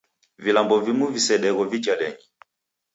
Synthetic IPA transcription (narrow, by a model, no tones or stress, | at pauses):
vilambɔvimuvisɛɗɛɣɔvit͡ʃalɛɲi